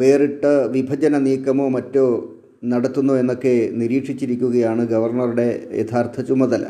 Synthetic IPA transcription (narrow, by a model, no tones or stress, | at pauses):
ʋeːriʈːɐʋibʱɐd͡ʑɐnɐniːkːɐmo̞ːmɐtːo̞ː | nɐɽɐt̪ːunːoe̞nːo̞kːe̞niɾiːʂit͡ɕːiɾikʲːuɣɐjaːɳɨɡɐʋɐrɳɐruɽe̞jet̪ʰaːrt̪ʰɐt͡ɕumːɐðɐlɐ̰